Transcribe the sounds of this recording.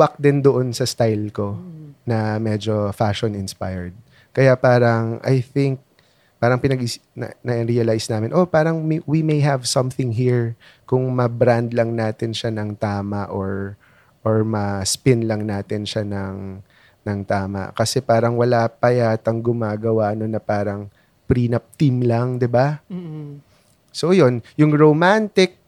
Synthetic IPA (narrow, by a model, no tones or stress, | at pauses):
wak̚d̪ɪnd̪oʔonsɐst̪ajlko̞nɐmɛd͡ʒo̞faʃonɪnspajɛɹd̪̚ | kɐjapaːɾɐŋʔɐ̰jθɪŋk̚ | paːɾɐŋpɪnɐɡinɐ̰nɐʔɪɾiɐlajsnaːmɪnʔo̞paːɾɐŋwimejɦɐvsɐ̃mθɪŋɦiɹ | kʊŋmɐbɾand̪lɐŋnaːt̪ɪnʃanɐŋt̪aːmɐʔoɹ | ʔoɹmɐspɪnlɐŋnaːt̪ɪnʃanɐŋ | nɐŋt̪aːmɐ̰kɐsɛpaːɾɐŋwɐlapɐjat̪ɐŋɡʊmaːɡɐwaʔnonːɐpaːɾɐŋ | pɾiːnɐp̚t̪imlɐŋd̪ɪba | sojonjʊŋɹomant̪ɪk̚